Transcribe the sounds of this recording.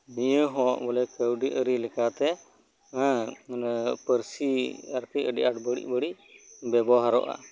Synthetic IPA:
nijəɦɔ̃ʔbɔlɛkəwɖiʔəɾilɛkat̪ɛ̃ | pəɾsiaɾkəəɖiʔaʈbəɽḭʔ̚bəɽiʔ | bɛbɔɦaɾɔ̰ʔa̰

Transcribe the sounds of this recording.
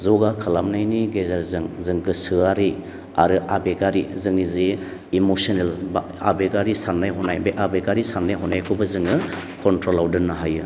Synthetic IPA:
zɔɡakʰɯlamnajniɡezaɾzɯŋzɯŋɡɯsɯaɾi | aɾɯʔabeɡaɾizɯŋizi | imosɔnelb | a̰beɡaɾisanːajɦɔnajbeʔabeɡaɾisanːajɦɔnajkʰubɯzɯŋɯ | kʰɔntɾolawdɯnːaɦajɯ

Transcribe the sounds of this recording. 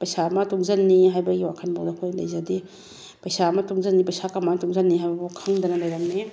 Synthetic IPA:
pɐjsamɐtuŋzɐnːiɦajbɐɡiwakʰɐnbawdɐkʰojlajzadi | pɐjsamɐtuŋzɐnːipɐjsakamantuŋzɐnːiɦajbɐbukʰaŋdɐnɐlaɐjɾaŋni

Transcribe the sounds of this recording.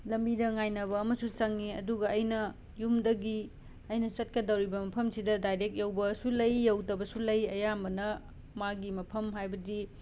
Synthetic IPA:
lɐmbidɐŋajnɐβɐːmɐsusɐŋːiɐ̰duɡɐːjnɐ | jumdɐɡi | ɐjnɐsɐt̚kɐdɐwɾibɐmɐpʰɐmsidɐdajɾek̚t̚jewbɐsulɐjːɐwtɐbɐsulɐjɐjambɐnɐ | maɡimɐpʰɐmɦajbɐdi

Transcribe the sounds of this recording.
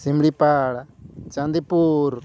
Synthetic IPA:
simɽipaːɽt͡ʃãnd̪ipuːɾ

